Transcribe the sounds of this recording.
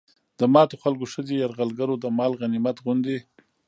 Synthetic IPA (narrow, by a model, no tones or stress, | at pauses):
d̪̥əmɑt̪oxalkoʃədijaɾɣalɡaɾod̪əmɑlɣanimat̪ɣʊnd̪e